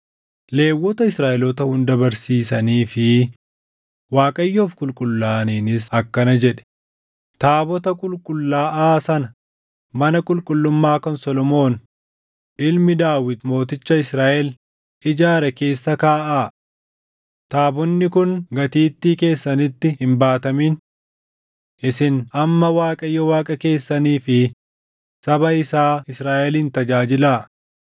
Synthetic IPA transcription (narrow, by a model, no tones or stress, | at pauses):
le̞ːwːɔt̪ɐɪsɾaːʔɛlɔt̪ɐhʊnd̪ɐbɐɾsiːsɐniːfɪ | waːkʼɐjːoːfkʼʊlkʼʊlːaːniːnɪsɐkːɐnɐd͡ʒɛᶑɛ̥ | t̪aːbɔt̪ɐkʼʊlkʼʊlːaːʔaːsɐnɐ | mɐnɐkʼʊlkʼʊlːʊmːaːkɔnsɔlɔmo̞ːn | ʔɪlmɪd̪aːwɪt̪mo̞ːt̪ɪt͡ʃːɐɪsɾaːʔɛl | ʔɪd͡ʒaːɾɛke̞ːsːɐkaːʔaː | t̪aːbɔnːɪkʊŋɡɐt̪iːt̪ːiːke̞ːsːɐnɪt̪ːɪhɪmbaːt̪ɐmin | ʔɪsɪnɐmːɐwaːkʼɐjːɔwaːkʼɐke̞ːsːɐniːfɪ | sɐbɐɪsaːɪsɾaːʔɛliːnt̪ɐd͡ʒaːd͡ʒɪlaː